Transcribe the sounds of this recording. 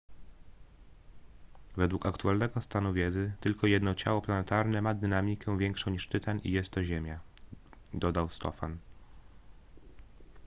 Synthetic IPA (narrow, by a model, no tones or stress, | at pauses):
vɛd̪wukakt̪ualnɛɡɔst̪anuvʲjɛd̪zɘt̪ɘlkɔjɛd̪nɔt͡ɕa̰wɔplanɛt̪aɾnɛmad̪ɘnamʲikʰɛ̃vʲjɛŋkʂɔ̃w̃ɲiʂt̪ɘt̪ʰanḭjɛst̪ʰːɔʑemʲja | d̪ɔd̪awst̪ɔ̰fan